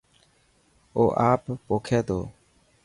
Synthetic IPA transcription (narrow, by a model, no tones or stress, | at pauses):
oːʔaːppoːkʰeːd̪o̰ː